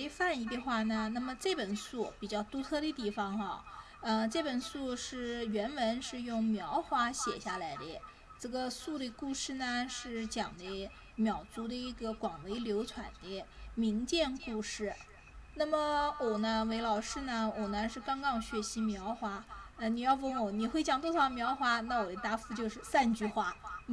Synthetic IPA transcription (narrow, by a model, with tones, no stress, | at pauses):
ɪfa˥˩ni˧˥t̪y˥˧xwa˥˩nə˩na˥˩mə˩ʈ͡ʂɤ˥˩pə˨˩nsu˥˩pi˨˩t͡ɕjɑ˥˩ʊt̪u˥t̪ʰɤ˥˧ɾə˧t̪i˥˩fɑ˧˥ŋɐ̰˧ | ə˧ʈ͡ʂɤ˥˩pə˨˩nsu˥˧ʂɻ̩˥˩ɥɛ˧˥nwə˧˥nʂɻ̩˥˧jʊ˥˩ŋmjɑ˧˥ʊxwa˥ɕjɛ̰˨˩ɕja˥˩la˧˥ɪd̪ə˧ | ʈ͡ʂɤ˥˩ɡə˩su˥˩d̪ə˩ku˥˧ʂɻ̩˥˩nə˩ʂɻ̩˥˩t͡ɕjɑ˨˩ŋd̪ə˦ | mjɑ˨˩ʊt͡su˧˥d̪ə˧i˥˩ɡə˧kwɑ˨˩ŋwe˧˥ɪljo˧˥ʊt͡sʰwa˨˩nd̪ə˦mi˧˥ŋt͡ɕjɛ˥˧nku˥˧ʂɻ̩˥˩ | na˥˩mə˩wɔ˨˩nə˦we˧˥ɪlɑ˨˩ʊʂɻ̩˥˧nə˩wɔ˨˩nə˦ʂɻ̩˥˩kɑ˥ŋkɑ˥ŋɕɥɛ˧˥ɕi˧˥mjɑ˧˥ʊxwa˧˥ə˧ni˨˩jɑ˥˧ʊpŋwɔ˨˧˩ni˨˩xwe˥˩ɪt͡ɕjɑ˨˩ŋt̪wɔ˥ʂʰɑ˧˥ʊmjɑ˧˥ʊxwa˥na˥˩wɔ˨˩ə˧˥t̪a˧˥fu˥˧t͡ɕjo˥˧ʊʂɻ̩˥˧sa˥˧nt͡ɕy˥˧xwa˥˩